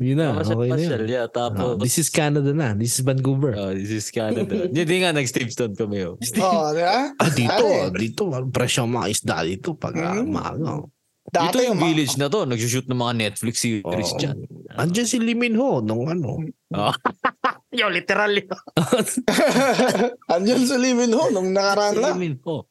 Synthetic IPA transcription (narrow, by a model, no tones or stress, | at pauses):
jʊnːɐɐʔokɛjnɐjoljat̪aːpod̪isɪskanɐd̪ɐnɐd̪isɪsbɐnkubɛɹod̪isɪskanɐd̪ɐd͡ʒɪd̪iŋanɐɡst̪ivst̪onkɐmɛjos | ʔad̪iːt̪od̪iːt̪oɐnpɾɛʃoɐŋmɐŋa̰ʔɪsd̪a̰d̪it̪opɐ̰ɡa̰ma̰ɡo̰ | d̪at̪ojʊŋvilɪd͡ʒnɐt̪o̞nɐɡ̚sʊʃut̪̚nɐŋmɐŋanɛt̪̚flɪksuʔɾɪsd͡ʒɐ̰nʔɐnd͡ʒɐnsɪlimɪnhonʊŋɐno̰ʔo | jolɪt̪ɛɾalɪoo | ʔɐnd͡ʒans̬ɪlimɪnhonʊŋnɐkɐɾanamɪnho